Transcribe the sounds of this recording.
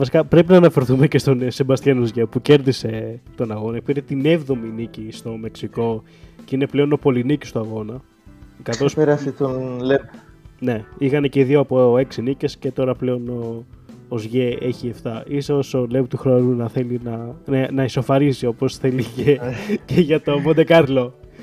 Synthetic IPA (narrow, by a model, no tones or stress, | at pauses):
vɐsikɐpɾe̞pinɐːnɐfe̞ɾθumecest̪o̞nsebɐst̪çɐnozʝepuce̞ɾðise̞t̪o̞nɐɣo̞nɐkpiɾet̪ine̞vðo̞minicist̪o̞me̞ksiko̞ | ceineple̞o̞no̞po̞linici̥st̪oɐɣo̞nɐ | kɐθo̞speɾɐft̪it̪onlep̚ | ne̞ixɐneceiðioɐpo̞e̞ksinice̞sce̞t̪o̞ɾɐple̞o̞noː | zʝee̞çieft̪ɐʔisoso̞lept̪uxɾoɾunɐθe̞linɐnɐnɐiso̞fɐɾisiopo̞sθe̞liceceʝɐt̪o̞mond̪ekɐɾlo̞